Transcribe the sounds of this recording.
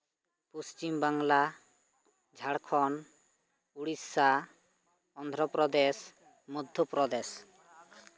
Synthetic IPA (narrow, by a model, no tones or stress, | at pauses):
pust͡ʃimbaŋla | d͡ʒʱaɽkʰɔn | uɽisa | ɔnd̪ʱɾɔpɾɔd̪es | mud̪ʱːɔpɾɔd̪es